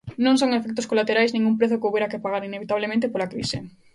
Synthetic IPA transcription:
nõŋs̬oŋefek̚t̪oskolat̪eɾajznĩŋumpɾeθʊkeowβeɾakepaɣaɾineβit̪aβlemẽnt̪̬epolakɾḭsḛ

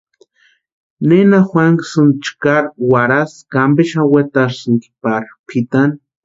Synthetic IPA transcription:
nenaxwaŋksunt͡ʃkaɾwaɾaskambeʃawet̪aɾsɨŋki̥paɾpʰit̪an

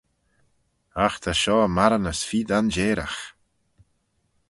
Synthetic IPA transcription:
axt̪ʰaʃɔːmaɾənəsfiːd̪and͡ʒeːɾa̰x

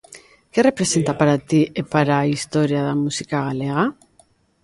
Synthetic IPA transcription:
kere̞pɾe̞se̞nt̪apaɾat̪iepaɾaist̪oɾjaðamusikaɣ̞aleɣ̞a

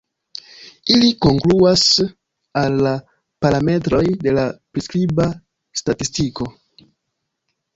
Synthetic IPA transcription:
iliko̞ŋkluas | alːa | paɾame̞tɾo̞jde̞lapɾiskɾiba | statistiko̞

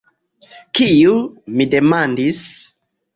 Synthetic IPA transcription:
kiumidemandis

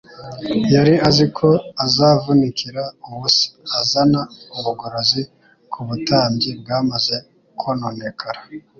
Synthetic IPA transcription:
jaɾiazikʰo̞azaːvunikiɾauβusi̥azanauβuɡoɾozi | kʰuβutaːmɟib̚ɡaːmaze̞ | kʰonoːnekʰaɾa

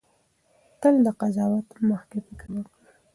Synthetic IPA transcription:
t̪əld̪əqazɑwat̪məxkepɪkɾwəkɽə

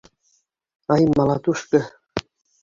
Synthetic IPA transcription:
ɑjmɑlˠɑt̪uʃkɤ̆

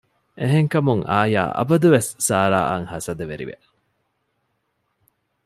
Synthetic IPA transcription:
ʔeɦeŋkɐmuŋaːja̰ːʔɐ̰bɐd̪uʋesːaːɾa̰ːʔɐŋhɐsɐd̪eʋeɾḭʋḛ

